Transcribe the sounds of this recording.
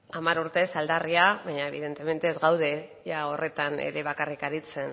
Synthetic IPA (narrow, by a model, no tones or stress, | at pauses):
amaɾuɾt̪e̞sald̪ariaβaɲae̞βiðe̞nt̪e̞me̞nt̪e̞ːzɣawð̞e̞ʝao̞re̞t̪anḛɾe̞β̞akarikaɾit͡se̞n